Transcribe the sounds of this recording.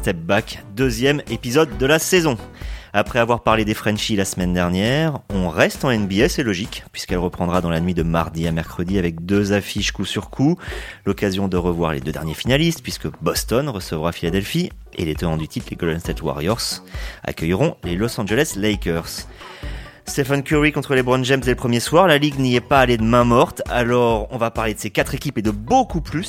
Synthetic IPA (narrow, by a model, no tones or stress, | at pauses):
st̪ɛp̚bakd̪øzjɛmepizɔd̪ːəlasezɔ̃apχɛavwaʁpaʁled̪efχɛ̃nʃilasmɛnd̪ɛʁnjɛʁɔ̃ʁɛst̪ɑ̃ɛnbiɛsɛlɔʒikpɥiskɛlʁəpχɑ̃d̪ʁad̪ɑ̃lanɥid̪əmaʁd̪iamɛʁkχəd̪iavɛk̚d̪øzafiʃkusyʁkʰulɔkazjɔ̃d̪əʁəvwaʁlḛd̪ød̪ɛʁnjefinalist̪̚pɥiskəbɔst̪ɔnʁəsəvʁafilad̪ɛlfi | ḛlet̪ɔnɑ̃d̪yt̪ʰit̪leɡɔlɛnst̪ɛt̪wa̰ʁjɔʁsa̰kʲœjʁɔ̃lelɔsɑ̃ʒəlɛslɛjkœʁs | st̪efankʲyʁikɔ̃t̪χəlebʁɔ̃nʒɛmzd̪eləpχəmjeswaʁlaliɡniɛpaːled̪əmɛ̃mɔʁt̪a̰lɔʁɔ̃vapaʁled̪əsekat̪χekʲiped̪əbokuplys